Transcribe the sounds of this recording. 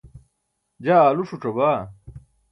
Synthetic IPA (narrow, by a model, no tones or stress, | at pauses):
d͡ʑaaːluʂuʈ͡ʂɐbaː